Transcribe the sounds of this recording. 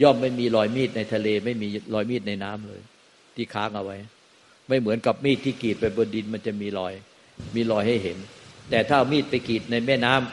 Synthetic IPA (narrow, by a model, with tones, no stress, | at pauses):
jɔː˥˩mːa˥˩jmiː˧lɔː˧jmiː˥˩t̪̚na˧jt̪ʰa˧leː˧ma˥˩jmiː˧lɔː˧jmiː˥˩t̪̚na˧jnaː˦˥mlɤ̰ː˧j | t̪ʰiː˥˩kʰa̰ː˦˥ŋʔa˧wa˦˥j | ma˥˩jmɯ˩˦ənka˨˩p̚miː˥˩t̪ʰːiː˥˩kiː˨˩t̪̚pa˧jbɔ˧ndi˧nma˧nt͡ɕa˨˩miː˧lɔː˧j | miː˧lɔː˧jha˥˩jɦe˩˦nt̪ɛː˨˩t̪ʰaː˥˩miː˥˩t̪̚pa˧jkiː˨˩t̪̚na˧jmɛː˥˩naː˦˥m